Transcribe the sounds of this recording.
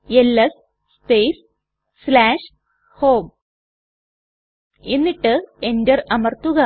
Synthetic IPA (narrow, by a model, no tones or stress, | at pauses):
elːɐs | speːjs | slaːʂ | ho̞ːm | enːiʈːɨendɐrɐmɐrt̪ːuɣɐ